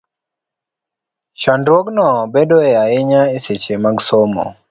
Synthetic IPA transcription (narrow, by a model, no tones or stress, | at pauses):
ʃandɾwoknɔbedoɛaɪɲaeset͡ʃemaɡsomɔ̰